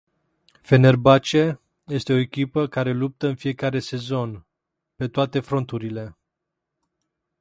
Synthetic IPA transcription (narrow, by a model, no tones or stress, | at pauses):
fe̞ne̞rbat͡ʃe | je̞st̪e̞o̞ekʲipəkaɾe̞lup̚t̪əɨnfije̞kaɾe̞se̞zo̞n | pe̞t̪oat̪e̞fɾo̞nt̪uɾile̞